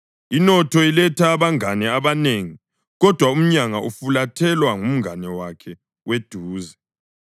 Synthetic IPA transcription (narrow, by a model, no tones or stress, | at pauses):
inɔtʰɔilɛtʰaːβaŋanɛaβaneŋi | ɣɔd̥ʱwaum̩ɲaŋaʔufulatʰɛlwaŋum̩ŋanɛwakʰɛ | wed̥ʱuːzɛ